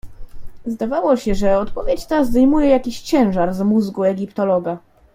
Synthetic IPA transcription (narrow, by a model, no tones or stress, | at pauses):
zd̪avawɔɕɛʐɛɔt̪pɔvʲjet͡ɕt̪azd̪ajmujɛjakʲiɕt͡ɕɛ̃w̃ʐaɾzmuzɡuɛɡʲipt̪ɔlɔɡa